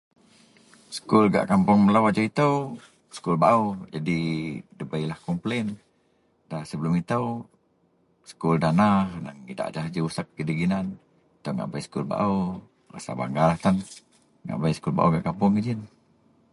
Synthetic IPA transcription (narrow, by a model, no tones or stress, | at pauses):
sə̥kulɡa̰ʔkampʊŋməlawad͡ʒait̪əw | sə̥kulbaʔud͡ʒadidəbəjlahkɔmplen | dahsəbəlʊmit̪əw | sə̥kuldanahnaŋida̰ʔd͡ʒaɦd͡ʒəusək̚ːədiɡinan | t̪əŋa̰ʔbajsə̥kulba̰ʔu | ra̰sa̰ba̰ŋɡalaht̪an | ŋa̰ʔbajsə̥kulba̰ʔuɡaʔkampʊŋɡəd͡ʒin